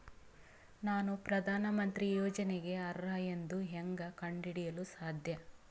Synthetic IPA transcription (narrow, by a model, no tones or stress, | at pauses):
naːnupɾɐd̪ʱaːnɐmɐnt̪ɾijoːd͡ʒɐneɡe̞ɐɾːaːjend̪uɦeŋɡɐkɐɳɖiɽijɐlusaːd̪ʱjɐ